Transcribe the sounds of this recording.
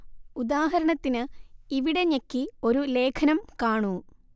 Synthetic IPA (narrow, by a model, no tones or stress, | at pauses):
ud̪aːɦɐɾɐɳɐt̪ːinɨiʋiɽe̞ɲekːio̞ɾule̞ːkʰɐnɐmkaːɳu